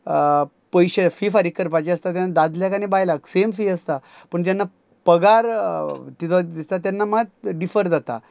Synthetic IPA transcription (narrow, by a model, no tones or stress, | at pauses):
pəjɕefiːfaɾikːəɾp̬at͡ɕiəst̪at̪janːad̪ad̪ljakanibajlaksemfiːəst̪apəɳd͡ʑ̪janːa | pəɡaɾt̪it̪ʰoist̪at̪janːamat̪ɖifəɾd͡zat̪a̰